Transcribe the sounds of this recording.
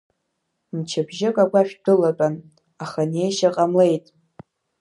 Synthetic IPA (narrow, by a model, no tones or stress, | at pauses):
mt͡ʃʰabʒɪkʼaɡʷaʃᶣdɨlat͡pʼan | aχane̞jʃaqʼamle̞jtʼ